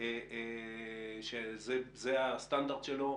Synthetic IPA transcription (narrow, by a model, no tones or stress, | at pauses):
e | ʃezɛzɛast̪ãnd̪aʁd̪ʃelo